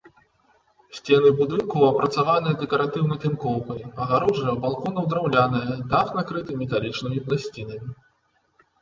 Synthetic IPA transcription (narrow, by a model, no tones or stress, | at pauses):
sʲt͡sʲɛnɨbud̪ɨnkuwɐpɾɐt̪savanɨjɐd̪ɛkɐɾat̪ɨwnɐjt̪ɨmkɔwkɐjɐɣaɾɔʐɨjɐbalˠkɔnɐwd̪ɾawlʲanɐjɐd̪axnakɾɨt̪ɨmʲɛt̪alʲit͡ʂnɨmʲiplˠasʲt͡sʲinɐmʲi